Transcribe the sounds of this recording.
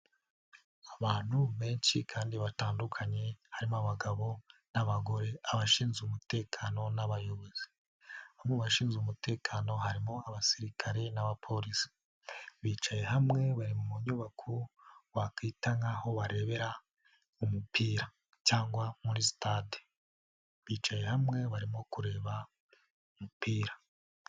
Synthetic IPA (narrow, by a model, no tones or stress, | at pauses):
aβaːn̥huβe̞ːnʃikʰaːndiβataːndukʰaɲe̞haɾimoaβaɡaβo̞naβaɡo̞ɾe̞aβaʃiːnzumute̞ːkʰano̞naβajoβuzi | amŋeβaʃiːnzɡumute̞ːkʰano̞ɦaɾimoaβasiɾikʰaɾe̞naβapʰo̞ɾisi̥ | βiːt͡ʃaje̞ɦamŋe̞βaɾimumuɲuβakʰuwakiːtaŋaho̞βaɾe̞βe̞ɾa | umupʰiːɾa | caːŋɡwamuɾisitade̥ | βiːt͡ʃaje̞hamŋe̞βaɾimo̞kuɾe̞ːβa | umupiːɾa